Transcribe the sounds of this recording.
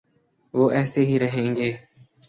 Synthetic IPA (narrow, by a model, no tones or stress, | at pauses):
ʋoːʔɛːseːɦiːɾəɦẽːŋɡeː